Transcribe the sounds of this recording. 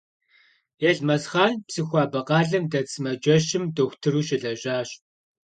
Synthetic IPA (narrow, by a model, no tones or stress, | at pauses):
eɮmɐsχaːnpsɨxʷɑːbɐqʼɑːɮɨmdɐt͡sʰʼɨmɐd͡ʒɐʃɪmdoxʷtʰɨruːʃɪɮɐɕʼaːɕ